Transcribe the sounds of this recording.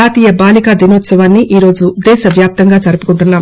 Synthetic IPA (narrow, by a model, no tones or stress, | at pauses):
aːt̪iːjɐbaːlikaːd̪inoːt̪sɐʋaːnːiʔiːɾo̞ːd͡ʒud̪ɛːʃɐʋjaːp̚t̪ɐŋɡaːd͡ʒɐɾupukuɳʈunːaːm